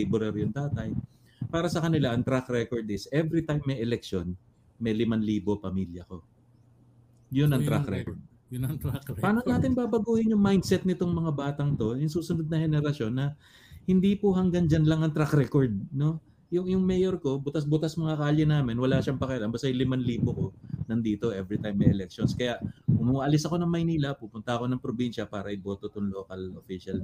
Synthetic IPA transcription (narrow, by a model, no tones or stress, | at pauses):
ɛbʊɾɛɾjʊŋt̪aːt̪ɐj | paːɾɐsɐkɐnɪlaʔɐŋt̪ɾakɾɛkoɹd̪ɪsʔɛvɾit̪ajmːɐjʔɛlɛk̚ʃon | mɐjlɪmanliːbo̞pɐmiljɐko̞ | jonɐŋɾakɾɛ̰kod̪ | ɐapaːnonaːt̪ɪnbaːbɐɡuːhɪnjʊŋmajnd̪sɛt̪̚nɪt̪oŋmɐŋabaːt̪ɐŋt̪o̞jʊŋsuːsʊnod̪̚nɐhɛnɛɾɐʃo̞nːɐ | hɪnd̪ipoɦɐŋɡɐŋd͡ʒɐnlɐŋɐŋt̪ɾakɾɛkoɹd̪̚no̞ | jʊŋjʊŋmɛjoɾko̞bʊt̪asbʊt̪asmɐŋɐkaːʎjɐnaːmɪnwɐlaʃɐŋpɐkɛʔɪlɐnbɐst̪ɐjlɪmanliːpoko̞nɐnd̪iːt̪oʔɛvɾit̪ajmːɐʔɛlɛk̚ʃonskɐjaʔʔʊmuʔɐlɪsɐko̞nɐŋmɐjniːlɐpupʊnt̪ɐɐko̞nɐŋpɾobinʃɐpaːɾɐʔɪbo̞ːt̪ot̪oŋloːkɐlofiʃal